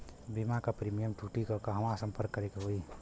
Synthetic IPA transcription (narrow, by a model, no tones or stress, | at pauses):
bimakapɾiːmijəmʈʰuʈikəkaɦəmasəmpəɾkːəɾekeɦoi